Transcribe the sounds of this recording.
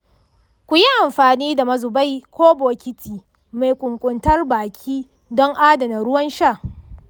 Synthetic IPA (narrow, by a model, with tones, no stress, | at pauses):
kʷʊ˨ji˦ʔa˨mɸaː˨niː˦da˨mɐ˦zʊ˨ba˦˨jkʷoː˦boː˨kʲɪ˦tʰiː˨ | ma˨jkʷʼʊ˨ŋkʷʼʊ˨ntɐ˦rbaː˨kʲʰiː˦ | dɔ˦ŋʔaː˦dɐ˨nɐ˨ɽʊ˦wɐ˦nʃaː˦˨